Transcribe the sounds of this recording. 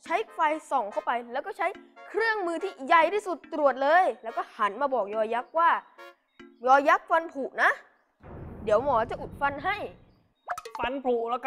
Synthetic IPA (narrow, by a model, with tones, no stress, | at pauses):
t͡ɕʰa˦˥jʰfa˧jsɔ˨˩ŋkʰa˥˩wpa˧jlɛː˦˥wkɔː˥˩t͡ɕʰa˦˥jkʰɾɯ˥˩əŋmɯː˧t̪ʰiː˥˩ja˧˩jt̪aː˥˩su˨˩t̪ːɾu˨˩ət̪̚lɤː˧jlɛ˦˥wkɔː˥˩ha˩˦nmaː˧bɔː˨˩k̚jɔː˧ja˦˥k̚waː˥˩ | jɔː˧ja˦˥k̚fa˧npʰuː˨˩ʔna˦˥ | di˨˩˦əwmɔː˩˦˥t͡ɕa˨˩ʔu˨˩t̪̚fa˧nɦa˥˩j | fa˧npʰuː˨˩lːk